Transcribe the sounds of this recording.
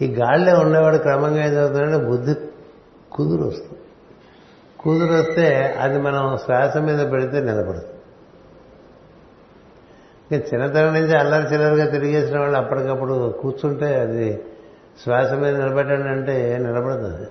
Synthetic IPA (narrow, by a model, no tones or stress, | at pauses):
iːɡaːɽleːuɳːɛːʋaːɭːukɾɐmɐŋɡaːend͡ʒɐɡut̪unːɐɳʈebud̪ʱːi | kuːd̪uɾo̰st̪u | kuːd̪uɾost̪e̞ːɐ̰d̪imɐnɐmsʋaːsɐmːiːd̪ɐpeɽit̪eːnilɐbɐɽɐt̪u | kɐt͡ʃinːɐt̪ɐɾɐniɲt͡ʃiɐlːɐɾit͡ʃilɐɾuɡaːt̪̬eɾiɡeːsinɐʋaːɭːuɐpːɐʈikɐpːuɽukuːt͡ʃuɳʈe̞ːɐd̪i | sʋaːsɐmːiːd̪ɐnilɐbɐʈːɐɳɖɐɳʈeːnɛlɐbɐɽɐd̪ɐ̰d̪i